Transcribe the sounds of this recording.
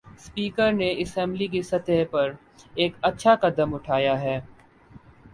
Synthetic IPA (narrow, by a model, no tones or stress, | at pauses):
spiːkəɾneɪsɛ̃ːmblik̬esɐt̪əɦpɐɾ | eːkɐtːʃʰakɐd̪əmʊʈʰaːjaɦɛː